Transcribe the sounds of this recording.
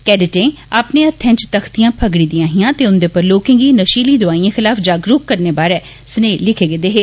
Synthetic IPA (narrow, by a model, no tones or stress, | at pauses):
kɛːɖɪʈẽː | aːpnẽːət̪ʰːɛ̃ːt͡ʃt̪əxt̪ijãːpʰəɡɽiːd̪ĩjãːɦijãːt̪eːʊnd̪eːpəɾloːkɪ̃ŋɡiːnəʃiːliːd̪ʊaːiãːxɪlaːfʰd͡ʒaːɡɾuːkkːəɾneːbaːɾɛ̃ː | sneːlɪkʰeːɡed̪eːɦeː